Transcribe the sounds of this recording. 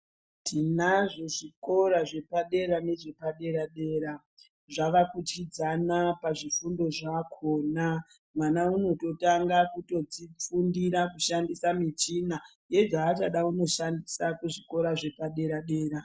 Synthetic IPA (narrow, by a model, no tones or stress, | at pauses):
tʰinaʐo̞ʐiko̞ɾaʐe̞paɗe̞ɾane̞ʐe̞paɗe̞ɾaɗeːɾa | ʐaʋakutid͡zanapaʐifundo̞ʐakʰona | mwanauno̞to̞taŋɡakuto̞d͡zip͡fundiɾakuʃandisamit͡ʃina | je̞ʐaːt͡ʃaɗauno̞ʃandisakuʐiko̞ɾaʐe̞paɗe̞ɾaɗe̞ːɾa